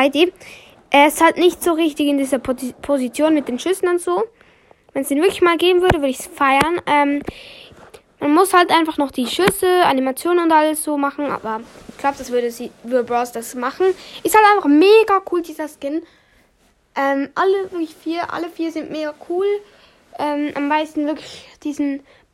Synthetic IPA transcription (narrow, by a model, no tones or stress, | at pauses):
aɪdeː | ʔɛɐɪsthaltnɪçtz̥oːʁɪçtɪçɪndiːzɐpʰozit͡sjoːnmɪt̚d̥eːnʃʏsn̩ʊntz̥oː | vɛnsd̥iːnvɪɐklɪçmaːlɡeːbm̩vʏɐɾəvʏɐɾəɪçsfaɪɐnʔɛːm | manmʊshaltʔaɪnfaχnɔχd̥iːʃʏsəʔa̰nimat͡sjoːnənʊntʔaləsz̥oːmaχn̩ʔa̰ːbɐɪçɡ̥laʊbəd̥asv̥ʏɐdəziːvɪdəbʁaʊsd̥asmaχn̩ʔɪsthaltaɪnfaχmeːɡakʰuːldiːzɐskɪn | ʔɛːmʔaləvɪɐklɪçfiːɐʔa̰ləfiːɐzɪntmeːɡakʰuːl | ʔɛːmʔa̰mːaɪstn̩vɪɐklɪçd̥iːzn̩